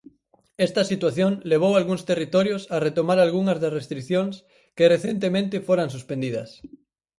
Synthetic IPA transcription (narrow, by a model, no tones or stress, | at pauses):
ɛst̪ɐsit̪waθjoŋleβ̞owalɣuŋst̪erit̪ɔɾjosaret̪omaɾalɣuŋɐzðɐsrest̪ɾikθjoŋs | kereθent̪̬emẽnt̪ɪfoɾaŋsuspend̪iðɐ̰s